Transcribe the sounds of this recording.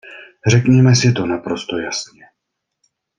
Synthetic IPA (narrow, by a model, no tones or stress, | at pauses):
r̝ɛkɲɛmɛsɪt̪o̞napɾost̪ojasɲɛ